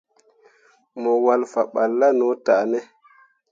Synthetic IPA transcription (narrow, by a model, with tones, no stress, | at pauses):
mɔ˨wa˨lfa˨ɓa˨lːa˦nɔ˨˦ta˨nɛ˦